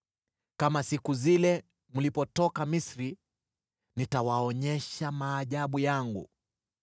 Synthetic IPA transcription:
kamasikuzilɛ | mulipɔtɔkamisɾi | nitawaɔɲɛʃamaːʄaɓujaŋɡṵ

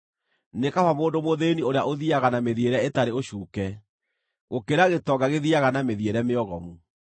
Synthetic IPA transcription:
nekafamoːndomoðenioɾeaʔoðiaɣanameðieɾɛetaɾeoɕuːkɛ | ɣokeɾaɣetɔɡaɣeðiaɣanameðieɾɛmeɔɣɔmu

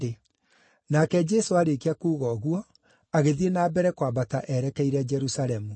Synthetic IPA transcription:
e | nakɛd͡ʒɛsoaɾekeakuːɣɔɣwɔ | aɣeðienabɛɾɛkwabataʔɛɾɛkɛiɾɛd͡ʒɛɾusaɾɛmu

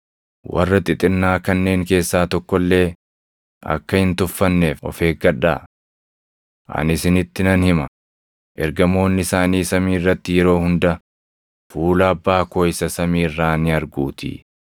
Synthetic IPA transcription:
wɐ̰rːɐt̪ʼɪt̪ʼɪɾnaːkɐnːe̞ːŋke̞ːsːaːt̪ɔkːɔlːe̞ː | ʔɐ̰kːɐhɪnt̪ʊfːɐnːe̞ːfɔ̰fe̞ːɡɐᶑa̰ː | ʔɐ̰nɪsɪnɪt̪ːɪnɐnhɪmɐ | ʔɛɾɡɐmo̞ːnːɪsaːniːsɐmiːrːɐt̪ːɪjɛɾo̞ːhʊnd̪ɐ | fuːlɐːbːaːko̞ːɪsɐsɐmiːɪrːaːnɪɐɾɡuːt̪ʰḭ

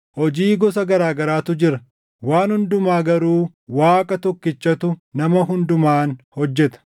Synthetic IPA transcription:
hɔd͡ʒiːɡɔs̬ɐɡɐɾaːɡɐɾaːt̪ʊd͡ʒɪɾɐ | waːnhʊnd̪ʊmaːɡɐɾuː | waːkʼɐt̪ɔkːɪt͡ʃːɐt̪ʊnɐmɐɦʊnd̪ʊmaːnhɔd͡ʒːɛt̪ɐ̥

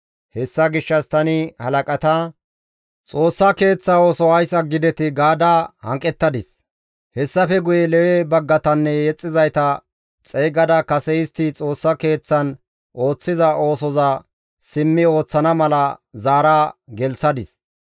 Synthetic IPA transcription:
hɛsːɐɡɪʃːɐst̪ɐnɪhɐlɐkʼɐt̪ɐ | t͡sʼo̞ːsːɐke̞ːt͡sːao̞ːsɔhɐjsɐɡɪd̪ɛt̪ɪɡaːd̪ahɐ̰ŋkʼːɛt̪ːɐd̪ɪs | hɛsːɐfɛɡʊjɛlɛwɛbɐɡːɐt̪ɐnːɛjɛt͡sʼːɪzɐjt̪ɐ | t͡sʼɛjɡɐd̪ɐkɐsɛjɪst̪ɪt͡sʼo̞ːsːɐke̞ːt͡sːɐn | ʔo̞ːt͡sːɪzɐʔo̞ːsɔzɐ | sɪmːɪo̞ːt͡sːɐnɐmɐlɐzaːɾaɡɛlsɐd̪ɪs

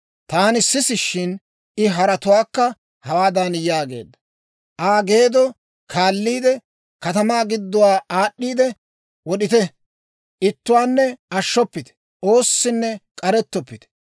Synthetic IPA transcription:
t̪aːnɪsːɪsɪʃːɪn | ɪɦɐɾɐt̪ʊwaːkːɐ | hɐwaːd̪anjaːɡe̞̰ːd̪ːɐ | ʔaːɡe̞ːd̪ɔ | kʰaːlːiːd̪ɛ | kɐt̪ɐmaːɡɪd̪ːʊwaːaːɗːiːd̪ɛ | wɔɗɪt̪ɛ | ʔɪt̪ːʊwaːnːɛɐʃːɔpːɪt̪ɛ̥ | ʔo̞ːsːɪnːɛkʼɐɾɛt̪ːɔpːɪt̪ɛ̥

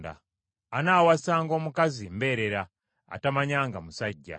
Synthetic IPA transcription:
da̰ | anaːwasaːŋɡo̞ːmukazimbe̞ːɾe̞ɾa | a̰tamaɲaːŋɡamusaɟːa̰

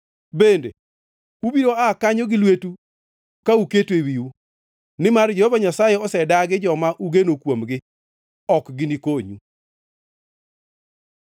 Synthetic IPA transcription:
bendḛ | ubiɾoakaɲɔɡɪlwetu | kauketwewiu | nɪmard͡ʒehovaɲasajeɔsɛdaɡɪd͡ʒɔmaʔuɡenokwomɡɪ | ɔkɡɪnikoɲu

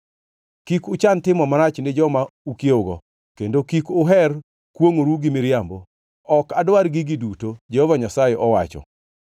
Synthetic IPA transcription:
kikʊt͡ʃantɪmɔmaɾat͡ʃnɪd͡ʒɔmaukjoɡɔ̰ | kendokikʊɦɛr | kwoŋoɾuɡɪmɪɾjambo | ɔkadwaɾɡiɡidutod͡ʒɛhɔvaɲasajeʔɔwat͡ʃɔ̰

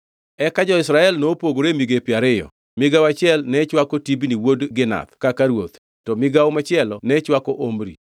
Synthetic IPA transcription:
ɛkad͡ʒɔɪsɾaɛlnopwoɡoɾemiɡepjaɾɪjɔ̰ | mɪɡawat͡ʃɪɛlnɛt͡ʃwakɔtibniwodɡɪna̰t̪kakaɾwot̪ | tɔmɪɡaomat͡ʃɪɛlɔnɛt͡ʃwakɔʔomɾḭ

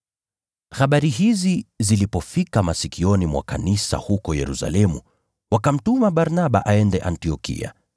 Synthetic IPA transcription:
haɓaɾihizizilipɔfikamasikiɔnimwa̰kanisa̰hukɔjɛɾusa̰lɛmṵ | wakam̩tumaɓaɾnaɓa̰ʔaɛndɛʔantiɔkḭa̰

